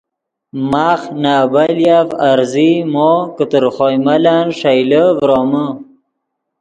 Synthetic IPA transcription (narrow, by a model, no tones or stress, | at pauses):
maːxnaːbaljavaɾzimokət̪əɾχojmalaːnʂajləvɾoːmə